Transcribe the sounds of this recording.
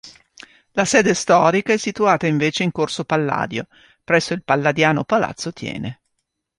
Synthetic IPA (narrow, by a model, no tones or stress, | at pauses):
lasɛːd̪est̪ɔːɾikaɛsːit̪uaːt̪aiɱveːt͡ʃeiŋkorsopalːa̰ːd̪jo | pɾɛsːoilpalːad̪jaːnopala̰t̪sːot̪ʰjɛ̰ːne